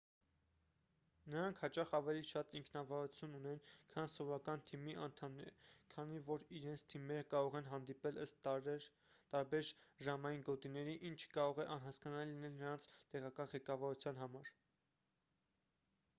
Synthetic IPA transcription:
nəɾɑŋkʰhɑt͡ʃɑχɑvɛliʃɑt̪iŋkʰnɑvɑɾut͡sʰjununɛnkʰɑnsɔvɔɾɑkɑnt̪ʰimiʔɑnt̪ʰɑmnɛɾkʰɑnivɔɾiɾɛnt͡sʰt̪ʰimɛɾəkɑɾɔʁɛnɦɑnd̪ipɛləst̪ | t̪ɑɾbɛɾʒɑmɑjinɡɔt̪inɛɾiʔint͡ʃʰkɑɾɔʁɛʔɑnɦɑskɑnɑlːinɛlnəɾɑnt͡sʰt̪ɛʁɑkɑnʁɛkɑvɑɾut͡sʰjɑn̪ɦɑmɑɾ

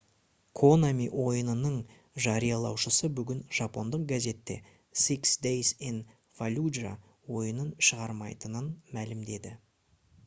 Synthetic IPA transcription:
kʰonamiʔwo̞jənənəɴ | ʒɑɾijɑlˠɑ̰wʃəsəbʏɡʲɪnʒ̥ɑpo̞nd̪əq̚ɡʲæze̞t̪ːe̞̰ | siksd̪ejsin | v̥alʲudʒa̰ | wo̞jənənʃəʁɑɾmɑ̰jt̪ənənmælɪmd̪e̞d̪ɪ

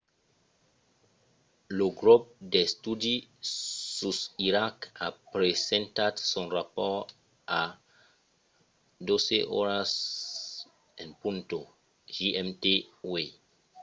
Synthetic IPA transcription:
loɡɾop̚destudi | susiɾakapɾesɛ̃ntatsɔ̃nrapɔ | a | doseʔɔ̰ɾas | ẽnpũnto | ʒiʔɛmtewe

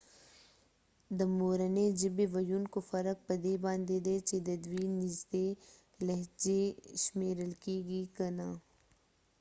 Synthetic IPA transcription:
d̪ɐmoːɾɐned͡ʒɪbeʋɐjunkofɐɾək̚pɐd̪eːbãːnd̪ed̪eːt͡ʃed̪ɐd̪wiːnɪzd̪eː | lɐɦt͡ʃeʃmeːɾəlkiːɡiːkɐnaː

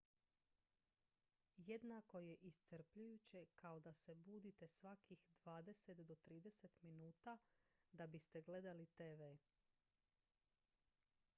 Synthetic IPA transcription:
je̞d̪nako̞je̞ʔist̪səɾpʎujut͡ɕe̞kaod̪asebuːd̪it̪e̞sʋakixd̪ʋaːd̪e̞set̪d̪o̞t̪ɾiːd̪eset̪minuːt̪ad̪abist̪e̞ɡle̞d̪alit̪eːʋe

